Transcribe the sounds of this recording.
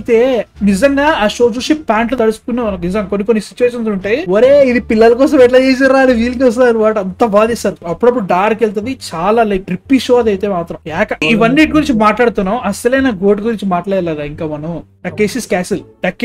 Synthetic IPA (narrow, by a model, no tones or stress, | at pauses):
t̪e̞ːnizɐŋɡaːaːʂo̞ːd͡ʒuːsipaːɳʈlut̪ɐɽusu̥kunːɐɐnɐnizɐŋɡkonːikonːisit͡ʃuʋeːʂ̬ɐnsuɳʈeːoɾeːid̪ipilːɐlɐkɔːs̬ɐmɛʈ̬lɐːeːs̬iɾaːɐniʋiːliŋkɐs̬t̪uɐnːibaːʈɐnt̪ɐbaːd̪isaːɾuɐpːuɽɐp̬ːuɽuɖaːɾkelt̪̬ɐd̪it͡ʃaːlaːlɐjʈɾipːiʃoːɐd̪ɐjt̪e̞ːmaːt̪ɾɐmɛːkɐiʋɐnːiːʈɡuɾiɲt͡ʃimaːʈlaːɽt̪unːaːmɐsɐlɐjnɐɡo̞ːʈɡuɾiɲt͡ʃimaːʈlaːjɐlɛːɾaːiŋkaːmɐnɐu | ɖɐkːeːsiskaːsilɖɐkː